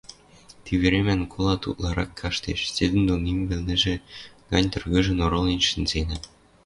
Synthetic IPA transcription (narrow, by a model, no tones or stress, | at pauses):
t̪iβeɾemænkʰolˠɑt̪ṵt̪lɑɾɑkʰːɑʃt̪eʃsed̪ɘ̆nd̪onimvɘ̆lnɘ̆ʒĕɡ̥ɑnʲt̪ɤ̆rɣɤ̆ʒə̆noɾolinʃə̆nzenɘ̆